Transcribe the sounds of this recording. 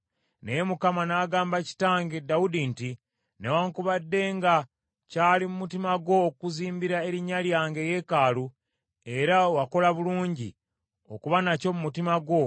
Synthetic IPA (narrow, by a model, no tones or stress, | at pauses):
nejemukamanaːɡaːmbaci̥taːŋɡedaudinti | newaːŋkuβadːe̞ːŋɡa | caːlimumutimaɡwo̞ːkuziːmbiɾae̞ɾiɲaljaːŋɡe̞je̞kaːlu | e̞ɾawako̞laβuluːɲɟi | okuβanaco̞mumutimaɡwo̞